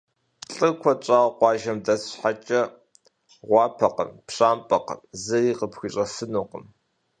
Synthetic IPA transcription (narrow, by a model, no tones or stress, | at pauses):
ɬʼɨkʷʰɔt͡ʃʼɑːʁqʷɑːʒɐmdɐsħat͡ʃʼɐ | ʁʷɑːpʰɐqə̰mpɕʼaːmpʼɐqə̰mzɨriːqəpxʷiɕʼɐfɨnuːqəm